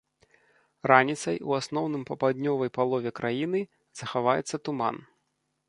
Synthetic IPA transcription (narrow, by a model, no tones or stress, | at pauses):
ranʲit̪sɐjuasnɔwnɨmpɐpad̪ʲnʲɔvɐjpalˠɔvʲɛkɾʔajin̪ɨ | z̥ɐxavajɛ̰t̪sːɐt̪uma̰n